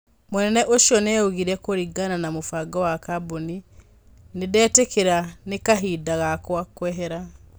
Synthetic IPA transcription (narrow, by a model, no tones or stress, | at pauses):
monɛnɛʔoʃjɔnɛːoɣiɾɛkoɾiɡananamofaɡɔwakaboni | nedɛːtekʰeɾanekaɦidaɣakwakwɛɦɛɾa